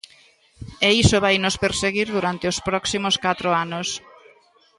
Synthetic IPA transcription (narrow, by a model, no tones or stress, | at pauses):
eisoβ̞ajnʊspeɾseɣiɾðuɾant̪eʊspɾɔksimoskat̪ɾoanos